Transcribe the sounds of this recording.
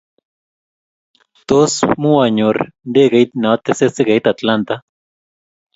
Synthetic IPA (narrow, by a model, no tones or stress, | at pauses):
t̪osmuaɲoɾɳɖeɡejt̪̚naat̪eseseɡejt̪at̪lant̪a